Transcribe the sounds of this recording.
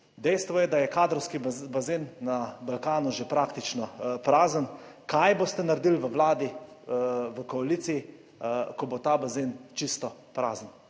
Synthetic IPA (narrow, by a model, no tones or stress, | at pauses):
d̪ɛjst̪ʋɔjɛd̪ajɛkaːd̪ɾɔwskibazenːabalkaːnuʒepɾakt̪it͡ʃnɔpɾaːzənkʰajbost̪ɛnaɾed̪ilʋəwlaːd̪i | ʋəkɔalisii | kɔbot̪aːbazent͡ʃist̪ɔpɾaːzən